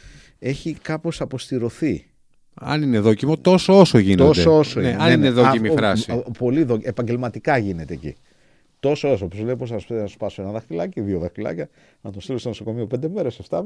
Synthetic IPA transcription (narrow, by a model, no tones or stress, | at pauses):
e̞çikɐpo̞sɐpo̞st̪iɾo̞θi | ɐ̰nineðocimot̪o̞soosoʝineseoosoneɐnineðoimifɾɐsipo̞liðoepɐɲɟe̞lmɐt̪ikɐʝine̞t̪e̞ːcḭ | t̪o̞soosopiozleiposɐsnɐ̥spɐsoenɐðɐxt̪ilɐciðioðɐxt̪ilɐ̰cɐ | nɐt̪ost̪ilost̪oso̞ko̞mio̞pend̪e̞me̞ɾeseft̪ɐ